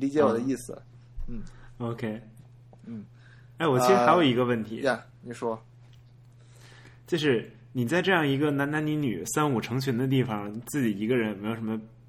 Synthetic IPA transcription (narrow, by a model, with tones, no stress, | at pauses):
li˧˥t͡ɕjɛ˧˥wɔ˨˩d̪ə˦i˥˩sɹ̩˩ | n̩˥˩o˧˥ʊkʰe˥ɪ | n̩˥˩ | e˥˩ɪwɔ˨˩t͡ɕʰʂɻ̩˥xa˧˥o˨˧˩ʊi˧˥ɡə˧wə˥˩nt̪ʰḭ˧˥˧ | ni˨˩ʂwɔ˥ | t͡ɕjo˥˧ʊʂɻ̩˥˩ | ni˨˩t͡sa˥˧ɪʈ͡ʂɤ˥˧jɑ˥˩ŋi˧˥ɡə˧na˧˥nna˧˥nni˧˥ny̰˨˩sa˥nu˨˩ʈ͡ʂʰɤ˧˥ŋt͡ɕʰɥɛ˧˥nd̪ə˧t̪̬i˥˩fɑ˨˩ŋt͡sɹ̩˥˩t͡ɕi˨˩i˧˥ɡə˧ɻə˧˥n˨me˥jʂə˧˥mə˧